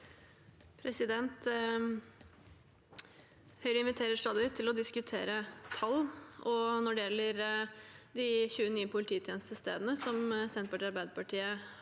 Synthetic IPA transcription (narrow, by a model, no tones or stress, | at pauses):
pʰɾɛsɪd̪ɛnt̪ | hœʏɾəɪnʋɪt̪ʰeːɾəʂʈ̪ɑːd̪ɪɪt̪ʰːɪlɔd̪ɪskʉt̪ʰḛːɾət̪ʰɑlːʔɔnɔɖɛɛlːəɾ | d̪ɪçʉːənyːəpʰʊlɪt̪ʰiːt̪ʰjɛːnəst̪əst̪ḛːd̪ənəsɔmsɛnt̪̚pɔɖɛɑɾbæɪd̪əpʰɑʈiːə